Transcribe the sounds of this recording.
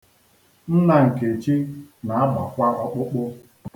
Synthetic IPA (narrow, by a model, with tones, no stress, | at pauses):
n̩˦na˨ŋ̩˨ke˨t͡ʃi˦na˨a˦ba˨kʷa˦ɔ˦k͡pʊ˦k͡pʊ˦